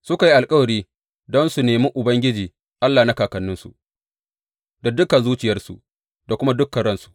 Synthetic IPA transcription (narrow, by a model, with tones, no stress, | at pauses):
sʊ˦ka˨ji˦ʔa˨lkʼɐ˦wɐ˨ɾiː˦ | dɔ˦nsu˨neː˨mi˦ʔʊ˨bɐ˦ŋɡʲɪ˦d͡ʒiː˨ | ʔa˦lːaː˨na˦kaː˨kɐ˨nːʊ˦nsu˨ʔ | da˨dʊ˦kɐ˨zuː˦t͡ʃɪ˨jɐ˦rsṵ˨ | da˨kʷʊ˦ma˦dʊ˦kːɐ˨ɽɐ˦nsu̥˨ʔ